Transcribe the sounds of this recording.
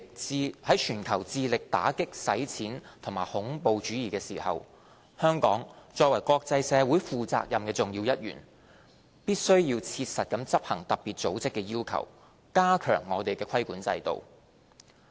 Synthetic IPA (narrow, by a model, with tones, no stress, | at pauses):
hɐ˨˥jt͡ʃʰyː˨˩nkʰɐ˨˩wt͡siː˧lɪ˨k̚t̪a̰ː˨˥kɪ˥k̚sɐ˨˥jt͡sʰiː˨˥nt̪ʰʊ˨˩ŋmaː˨˩hʊ˨˥ŋpo˨˧wt͡ʃyː˨˥jiː˨˩kɛː˧siː˨˩hɐ̰˨w | hœː˥ŋkɔː˨˥ŋt͡ʃɔː˧k̚wɐ˨˩jkʷɔː˧k̚t͡sɐ˧jsɛː˨˧wuː˨˥jfuː˨t͡sa̰ː˧k̚jɐ˨mkɛː˧t͡sʊ˨˩ŋjiː˧wjɐ˥t̚jy̰ː˨˩n | piː˥t̚sɵ˥ɥjiː˧wt͡sʰiː˧t̚sɐ˨t̚kɐ˨˥mt͡sɐ˥p̚hɐ˨˩ŋt̪ɐ˨p̚piː˨t̚t͡so˨˥wt͡sɪ˥kːɛː˧jiː˥wkʰɐ̰˨˩w | kaː˥kʰœ̰ː˨˩ŋːɔː˨˧t̪e˨jkɛː˧kʰɐ˥jkuː˨˥nt͡sɐ̰˧jt̪o̰˨w